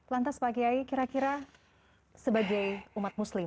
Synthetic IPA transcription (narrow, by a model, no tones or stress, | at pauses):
lant̪aspaɡiaikiɾakiɾa | səbaɡajumat̪̚muslɪm